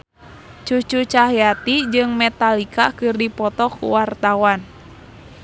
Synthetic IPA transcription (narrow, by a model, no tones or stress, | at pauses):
t͡ʃut͡ʃut͡ʃaɦat̪id͡ʒɨŋmɛt̪alikakɨrdipɔt̪ɔkṵwart̪awan